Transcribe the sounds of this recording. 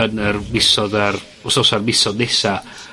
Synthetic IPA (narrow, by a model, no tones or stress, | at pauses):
ənərmɪsɔðar | ʊsɔsarmɪsɔdnɛsa